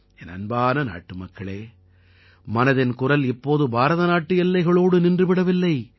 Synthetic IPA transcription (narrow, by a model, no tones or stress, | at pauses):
ɛnɐ̰nbaːnɐna̰ːʈːɯmɐkːɐɭeː | mɐnɐðɪnkʊrɐlɪpːoːðɯbʱaːɾɐðɐnaːʈːɯjɛlːɐɪɣɐɭoːɽɯnɪndrɯʋɪɽɐʋɪlːɐɪ